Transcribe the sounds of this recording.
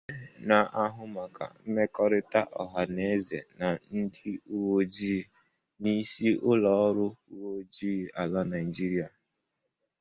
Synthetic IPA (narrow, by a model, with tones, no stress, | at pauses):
na˨ʔa˦ɦʊ˦ma˨ka̰˨m̩˦me˦kɔ˦ɾɪ˦ta˦ʔɔ˨ɦa˨ne˦zḛ˨na˨n̩˦di˦u˦wo˦d͡ʒi˦˨ | ni˦si˦ʔʊ˦lɔ˨ɔ˦ɾʊ˦u˦wo˦d͡ʒiː˦˨a˨la˦na˨i˨d͡ʒi˦ɾi˦a˨